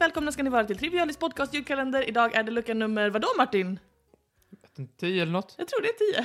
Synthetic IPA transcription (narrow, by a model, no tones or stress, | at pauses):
vɛːlkʰɔmnaskanɪvɑːɾat̪ʰɪlt̪ʰɾɪvɪɑːnɪsk̪̚pɔd̪̚kʰɑːst̪jʉːd̪kʰalɛnd̪əɾɪd̪ɑːɡæɖɛlɵkːanɵmːəɾvad̪ɔmaʈːɪn | ɛd̪ɪnt̪t̪ʰiːɛlːəɳɔt̪ːjɑːɡ̚t̪ɾuːɖɛæt̪ʰiːə